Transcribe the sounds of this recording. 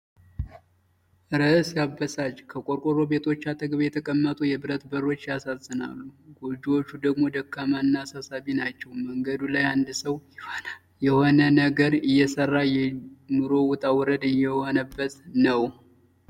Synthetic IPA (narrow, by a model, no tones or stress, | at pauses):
ʔɨɾəsjabːəsat͡ʃkʰəkʼo̞ɾkʼoɾo̞be̞t̪ʰo̞t͡ʃːat̪ʰəɡβajɛt̪ʰəkʼəmːət̪ʼujɛbɨɾət̪bəɾo̞t͡ʃːjasazɨna̰lːuɡod͡ʒiwo̞t͡ʃːud̪əɡmo̞d̪əkːamaɨnːaːsasaβinat͡ʃːɛwməŋɡəd̪ulajand̪ɨsəwjɪhona | jɛho̞nənəɡəɾɨjːɛsərːajɛnuɾo̞wʊt̪ʼawɾəd̪ɨjːɛho̞nəbːət̪nəw